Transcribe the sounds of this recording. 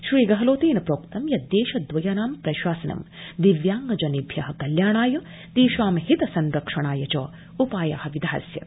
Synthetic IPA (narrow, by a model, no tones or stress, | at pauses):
ʃɾiːɡɐɦɐloːt̪eːnɐpɾoːkt̪ɐmjɐd̪jeːʃɐd̪ʋɐjɐnaːmpɾɐʃwaːsɐnɐ̰m | d̪iʋjaːŋɡɐd͡ʒɐnibʱjɐɦɐkɐljaːɳaːjɐ | t̪iːʃʋaːmɐhit̪ɐsɐnɾɐkʂɐɳaːjɐt͡ʃoː | upaːja̰ːhɐʋid̪ʱaːɐsjɐ̰